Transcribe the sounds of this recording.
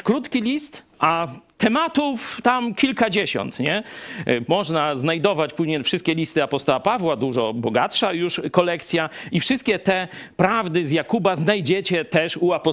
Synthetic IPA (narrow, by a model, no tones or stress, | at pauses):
kɾut̪kʲilʲist̪ | ʔat̪ɛmat̪uft̪amkʲilkad͡ʑeɕɔ̰nt̪ɲɛ | mɔʐnaznajd̪ɔvat͡ɕpuʑɲejfʂɨst̪kʲɛlʲist̪ɘapɔst̪ɔwapavwad̪uʐɔbɔɡat̪ʂajuʂkɔlɛkt̪sʲjaifʂɨst̪kʲɛt̪ɛpɾavd̪ɘzjakubaznajd͡ʑet͡ɕɛt̪ɛʂuapɔ